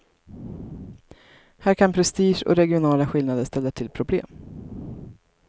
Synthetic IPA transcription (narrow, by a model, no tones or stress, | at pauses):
hæːɾkʰanpʰɾɛst̪iːʂɔ̰ɾɛɡɪʊnɑːlaɧɪlnad̪əʂt̪ɛlːaʈʰɪlpʰɾʊblḛːm